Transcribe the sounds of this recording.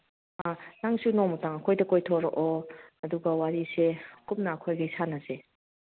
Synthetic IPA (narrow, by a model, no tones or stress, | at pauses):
anaŋsunomɐtaŋɐkʰojdɐkojtʰoɾɔʔoɐduɡɐwaɾisekup̚nɐːkʰojɡajsanase